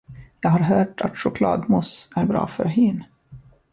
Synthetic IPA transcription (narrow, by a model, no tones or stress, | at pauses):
jɑːɡɦaɾɦœːʈʰa̰t̪ʂʊkʰlɑ̰ːd̪mʊsæɾbɾɑ̰ːfœ̰ɾɦiːn